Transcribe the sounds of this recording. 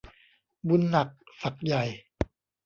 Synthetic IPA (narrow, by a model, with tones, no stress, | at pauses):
bu˧˥nːa˨˩k̚fa˨˩k̚ja˨˩j